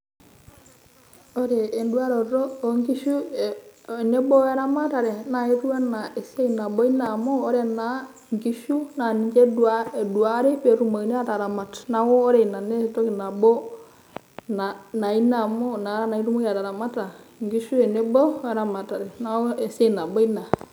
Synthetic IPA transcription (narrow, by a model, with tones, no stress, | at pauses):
oɾeː˨ndu˦a˦ɾoɾoː˦ŋki˦ʃu˦˨ | ne˦bɔ˦we˦ɾama˦ta˨ɾe˨na˨iɾu˦a˦na˨e˨se˦ina˨bo˦i˦na˨moː˦ɾe˨na | ŋki˦ʃu˦na˨nid͡ʒe˦du˨ae˨du˨a˦ɾe˦pe˨ɾu˦ma˨i˨ne˦a˦ta˨ɾa˨ma˨tna˨woː˦ɾe˨i˨na˨ne˦˨to˦ki˨na˨bɔ˦ | na˨na˨i˦na˨mo˦na˨˦ɾa˦na˨i˦ɾu˦mu˦ja˨ta˨ɾa˨ma˦ta˨ŋɡi˦ʃu˦e˨ne˦bo˦wɛ˦ɾa˨ma˨ta˨ɾe˨na˦o˦e˨se˦˨na˨bɔ˦i˦na˨